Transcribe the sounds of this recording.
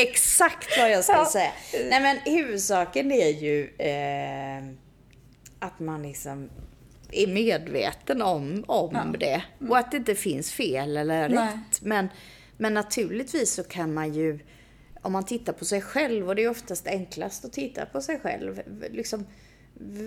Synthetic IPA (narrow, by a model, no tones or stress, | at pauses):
ɛksakt̪vajɑskasɛjːaɛmɛnhʉ̟ːvɵd̪sɑːkənæɾjɵ | at̪manlɪksɔm | æɾmeːd̪vḛːt̪ənɔmɔmd̪ɛɔat̪̚d̪ɛɪnt̪əfɪnsfeːlɛlːəɾɾɛt̪ːmɛn | mɛnːat̪ʰʉ̟ːɭɪt̪viːsːɔkʰanmanjɵ | ɔmːant̪ʰɪt̪ːaɾpʰɔsɛjɧɛlvɔd̪ɛːjɔft̪ast̪ɛŋklast̪ɔt̪ʰɪt̪ːa̰pʰɔsɛjɧɛ̰lvlɪksɔm